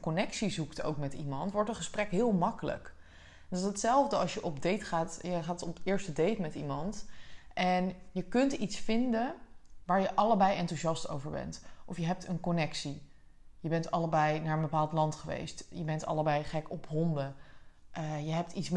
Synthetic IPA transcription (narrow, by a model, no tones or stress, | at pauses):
konɛksizukto̰wkmɛtimɑntʋɔɹtənχəsprɛkɦɪːlˠmɑkələ̰k | dsətsɛlˠvdəɑʃjəʔɔbdejtχaːtjəχaːtɔpɪːɹstədejtmɛtimɑntʔɛnjəkɵntitsfɪndənʋaːɹjəʔɑləbɛjɛntuʒɑsto̰wvəɹbɛ̰ntʔɔfjəɦɛp̚tənkɔnɛksi | jəbɛntɑləbɛjnaːɹənbəpaːlˠtlɑntχəʋḛjstjəbɛntɑ̰ləbɛjχɛkɔpɦɔndəʔəjəɦɛp̚tits